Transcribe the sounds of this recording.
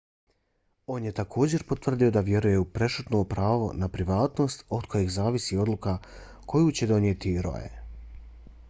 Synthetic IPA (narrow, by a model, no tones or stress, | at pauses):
o̞ːnje̞t̪akʰo̞ːd͡ʑe̞ɾpo̞t̪ʋr̩d̪io̞d̪aʋje̞ɾujeupɾe̞ʃut̪nopɾaːʋo̞̰napɾiʋaːt̪no̞st̪o̞d̪ko̞jeɣzaːʋisio̞d̪lˠuka | ko̞juːt͡ɕe̞d̪o̞nje̞t̪iɾo̞̰jḛ